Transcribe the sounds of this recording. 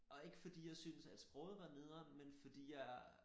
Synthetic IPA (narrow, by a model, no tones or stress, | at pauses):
ʔɒ̽e̝ɡ̥əfɒd̥ḭːjɑ̈ɪsyːnəsæd̥sb̥ʁɔðˠʋɑ̈ne̝ð̞ˠɐmenfɒ̽d̥ḭːjɑ̈ɪ